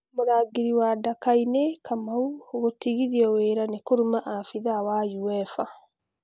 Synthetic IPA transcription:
moɾaːɡiɾiwadakainekʰamauoɣotiɣiðiɔweɾanekoɾumaʔafiðawajuɛfa

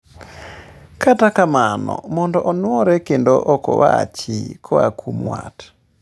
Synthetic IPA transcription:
katakamanɔ̰mɔndɔʔɔnwɔɾɛkendɔʔɔkɔ̰wa̰t͡ʃikʰɔa̰kʰumwa̰t

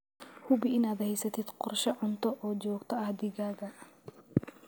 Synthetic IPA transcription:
hʊbɪɪnaːd̪hɛjsɐt̪ʰɪd̪qɔrʃɐʕʊnt̪ʰɔʔɔːd͡ʒɔːɡt̪ʰɔɐhd̪ɪɣaːɣɐ

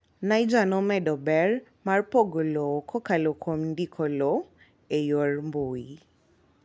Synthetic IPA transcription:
najd͡ʒanɔmɛdɔbɛɹ | marpoɡolokʰɔkalokʰomndikʰɔlɔ | ejormboi

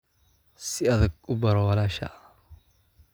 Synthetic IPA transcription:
sɪɐðɐɡʊbɐɾɔwɐlaːʃa̰

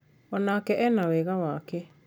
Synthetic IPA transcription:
ɔnakɛʔɛnawɛɣawaːkɛ

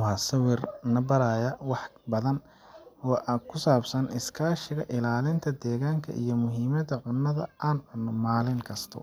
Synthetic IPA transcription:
wɑːsɐwɪrnɐbɐɾaːjɐwɑħbɐðɐn | ɔːʔakʰʊsaːbsɐnɪskʰaːʃɪɣɐʔɪlaːlɪnt̪ʰɐd̪ɛːɣaːŋkʰɐ̰ʔijɔmʊɦiːmɐðɐʕʊnːɐðɐaːnʕʊnːɔmaːlɪŋkʰɐst̪ʰɔ̰

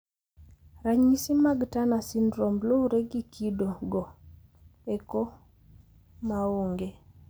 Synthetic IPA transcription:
ɾaɲisimaɡtanasinɾombloɾeɡikʰidoɡɔ | eko | maoŋɡe

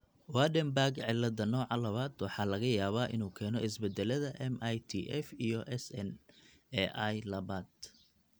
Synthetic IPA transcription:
wadɛmbarɡʕɪlːɐðɐnɔːʕɑlɐβaːd̪wɑħɑːlɐɣɐjaːβaːʔɪnuːkʰɛːnɔʔɪsbɛd̪ɛlɐðɐʔɛmʔjt̪ʰḭːʔɛfijɔʔɛsɛn | ɛʔɐjlɐβaːd̪̚

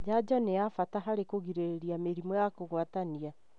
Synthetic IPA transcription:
d͡ʒad͡ʒɔnejafataɦaɾekoɣiɾeɾeɾiameɾimɔjakoɣwatania

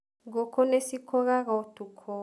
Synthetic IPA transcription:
ɡɔkʰɔnesikʰɔɣaɣaotukʰɔ

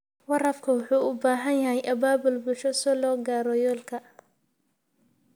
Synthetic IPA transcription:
wɐɾɐfkʰɐwʊħuːʊbaːɦɐnjɐɦɛjʔɐbaːbʊlbʊʃɔsɔlɔːɡaːɾɔjɔːlkʰɐ

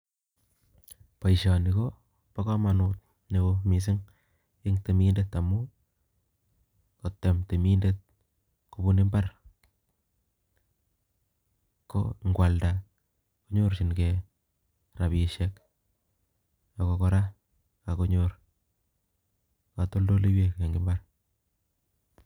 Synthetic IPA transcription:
pajʃanɪko | pakamanut̪̚ | nikomis̬ɪŋ | ɪŋtemindetamu | kotːemtemindet̚ | kobunɪmbar | ko̰ŋɡwalda | koɲoɾʃinke | ɾapiʃek | jokokɔɾa | kakoɲoɾ | katoldoliwekkeŋɡɪmbar

